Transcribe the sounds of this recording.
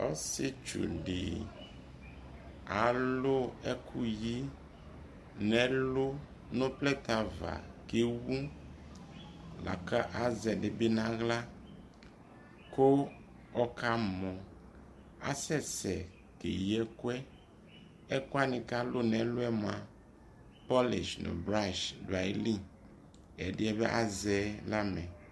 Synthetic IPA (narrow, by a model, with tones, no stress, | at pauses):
ɔ̰˦sɪ˦t͡ʃṵ˨ɖɪ̰˨ | a˨lʊ˦ɛ˦kʰu˦ji˦ | nɛ̃˨lʊ˦ | nʊ̃˦plɛ˦t̪a˨va̰˨ke˦wu˦ | la̰˨ka˦ʔa˨˦zɛ˨ɖɪ˨bɪ˦nã˦ɣla˦ | ko˦ | ɔ˦ka˦mɔ̃˨ | a̰˦sɛ˦sɛ˨ | kḛ˨jɛ˦ku˦ɛ˦ | ɛ˦ko˦a˦nɪ̃˨ka˦lʊ˦nɛ˨lʊ˦ɛ˦m˨a˨ | pɔ˦lḭ˨ʃnʊ̰̃˨bɾa˦˨ʃdwa˨ji˦li˦ | ɛ˨dɪ˦ɛ˦be˦ʔa˦zɛ˨˦la˦mɛ̃˨